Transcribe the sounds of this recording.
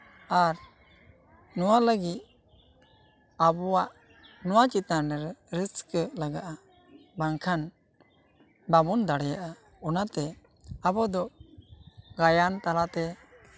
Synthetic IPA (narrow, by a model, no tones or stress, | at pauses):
aɾ | nɔwaləɡit̪̚ | abɔwaʔ | nɔwat͡ʃit̪nanɛɾɛɾəskəlaɡaʔa | baŋkʰan | babɔnd̪aɽɛjaʔa | ɔnat̪ɛ | abɔd̪ɔ | ɡajant̪alat̪ɛ